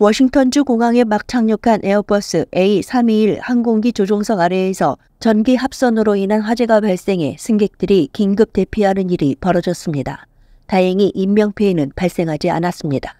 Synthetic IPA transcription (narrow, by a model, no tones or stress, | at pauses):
wʌɕʰiŋtʰʌnd͡ʑukoŋaŋe̞mak̚t͡ɕʰaŋɲokʰanʔe̞ʌpʌs͈ɯe̞isʰamiiɭhanɡoŋɡit͡ɕod͡ʑoŋsʰʌɡaɾe̞ːsʰʌ | t͡ɕʌnɡiɦap̚s͈ʌnɯɾoinɦanɸwad͡ʑe̞ɡapaɭs͈e̞ŋɦe̞sʰɯŋɡe̞k̚t͈ɯɾikiŋɡɯp̚t͈e̞pʰiɦanɯniɾipʌɾʌd͡ʑʌs͈ɯmɲida̰ | taɦeŋiʔimːjʌŋpʰeinɯnpaɭs͈e̞ŋɦad͡ʑia̰nas͈ɯmɲida